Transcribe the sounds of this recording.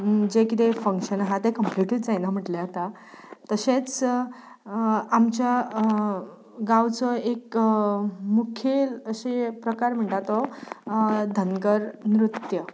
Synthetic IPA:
d͡ʑekit̪efəŋkɕənaɦat̪ekəmpliʈit̪d͡zajnam̤əʈleat̪a | t̪əɕet͡s | amt͡ɕja | ɡawt͡sɔek | mukʰjeləɕepɾəkaɾm̤əɳʈ̪at̪ɔ | d̪ʱəŋɡəɾnɾut̪jə

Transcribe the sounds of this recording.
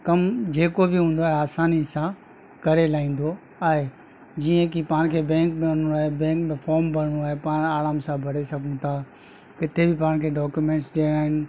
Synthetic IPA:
kɐmd͡ʑeːkobɪɦũːnd̪oaːɦeaːsaːnisã | kɐɾelaːĩːn̆d̪o | aːɦe | d͡ʑiːə̃kipaːɽ̃kʰeːbɛ̃ːŋk̚bɽoaːɦebɛ̃ːŋkmẽfɔːɾmbɐɽɽ̃uaːɦepaːɽ̃aːlaːmsãbʱɐɽesɐɡʱũt̪ʰaː | kɪt̪ʰebɪpaːɽ̃kʰeːɖɔːkjumẽːʈsɗeːɽaːɦɪñɪ

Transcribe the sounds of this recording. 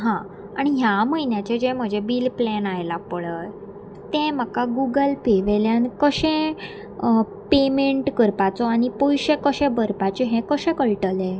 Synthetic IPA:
ɦã | aɽ̃iɦjaməjnjat͡ɕed͡ʑem̤əd͡ʑebiːlplenajlapəɭət | t̪ẽm̤əkaɡuɡəlpeʋeljankəɕɛ̃ | pemeɳʈkəɾpat͡sɔaɽ̃ipojɕẽkəɕɛ̃bəɾpat͡ɕeɦɛ̃kəɕɛ̃kəɭʈəlẽ

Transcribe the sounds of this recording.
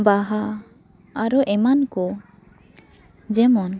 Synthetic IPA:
baɦa | aɾuʔɛmankɔ | d͡ʒɛmɔn

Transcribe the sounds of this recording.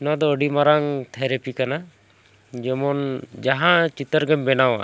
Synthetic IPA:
nad̪ɔːɖimaɾaŋt̪ʰɛɾepikana | d͡ʒɛmɔnd͡ʒaɦãt͡ʃit̪əɾɡɛmbɛnawa̰

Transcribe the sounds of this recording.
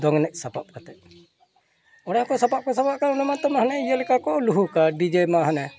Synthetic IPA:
d̪ɔŋnɛʔ̚sapap̚kat̪ɛʔ | ɔɽakɔsapap̚kɔsapaʔ̚kaunamant̪ɔmaɦanɛijəlɛkakɔʔluɦukaɖid͡ʒemaɦanɛ

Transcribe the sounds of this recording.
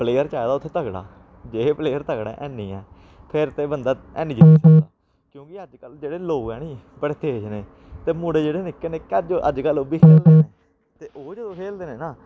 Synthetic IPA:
pleːjəɾt͡ʃaːd̪aːʊt̪ʰːeːt̪əɡɽa̰ː | d͡ʒeːpleːjəɾt̪əɡɽɛ̰̃ːʔɛːnĩːɛː | pʰɪɾt̪eːbənd̪aːɛ̰ːniːd͡ʒɪt̪iːsəkd̪aː | kjõːkɪəd͡ʒkəld͡ʒeːɽeːloːɛːniː | pəɽet̪ʰeːd͡ʒneː | t̪eːmũːɽeːd͡ʒeːɽeːnɪkːeːneːkəd͡ʒə̰d͡ʒkəlobiːkʰeːld̪eːneː | t̪eːʔoːd͡ʒed̪õːkʰeːld̪eːneːnaː

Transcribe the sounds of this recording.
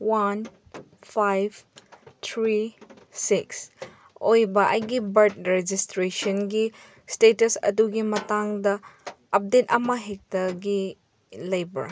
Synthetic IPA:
wan | pʰajbt̪ʰɾi | siks | ojbɐʔɐjɡibɐɾt̚ɾed͡ʒistɾesɐnɡi | stetɐsɐ̰duɡimɐtaŋdɐ | ɐp̚detɐmɐɦek̚tɐɡi | lɐjbɐ̰ɾ

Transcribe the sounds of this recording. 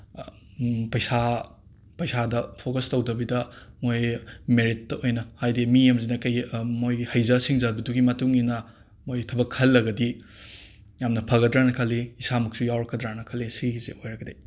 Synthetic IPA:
pɐjsa | pɐjsadɐpʰokɐstɐwdɐbidɐmojmeɾit̚ːojnɐhajdimijemzinɐkɐjmojhɐjzɐsiŋzabiduɡimɐtuŋinɐ | mojtʰɐbɐkʰːɐlːɐɡɐdi | jamnɐpʰɐɡɐdɾanɐkʰɐlːiisamɐk̚sujawɾɐkːɐdɾanɐkʰɐlːesizḛojɾɐɡɐdej

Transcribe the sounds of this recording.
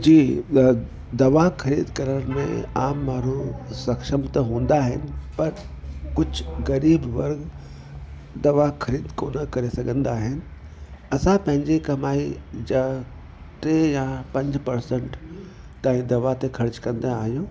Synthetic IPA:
d͡ʑiː | d̪ɐʋakʰɐɾiːd̪kɐɾənmḛ̃a̰ːmːaːɾũsɐkʃəmt̪ɐɦũːn̆d̪aːɦɪ̰nɪ̆pɐɾ | kʊd͡ʑʱɣɐɾiːbʋɐɾɡ | d̪ɐʋakʰɐɾiːd̪koːnəkɐɾesɐɡʱə̃nd̪aːɦɪnɪ̆ | ɐsãpɐ̃ɦɪ̃ɲd͡ʑekɐmaːid͡ʑa | ʈejãpɐ̃ɲd͡ʑpɐɾsə̃ɳʈ | t̪aːĩd̪ɐʋat̪ekʰɐɾt͡ɕkɐ̃nd̪aːɦijũː

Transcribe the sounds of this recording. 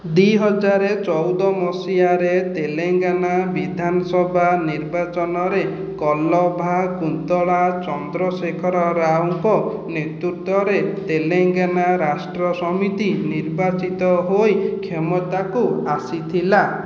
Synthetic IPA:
d̪iɦɔd͡ʒaɾet͡ʃɔwd̪ɔmɔsiaɾet̪eleŋɡanabid̪ʱanɔsɔbʱaniɾbat͡ʃɔnɔɾe | kɔlɔbʱakunt̪ɔɭat͡ʃɔnd̪ɾɔsekʰɔɾɔɾaw̃kɔnet̪ɾut̪ɔɾet̪eleŋɡanaɾasʈɾɔsɔmit̪iniɾbat͡ʃit̪ɔɦojkʰemɔt̪akuasit̪ʰila

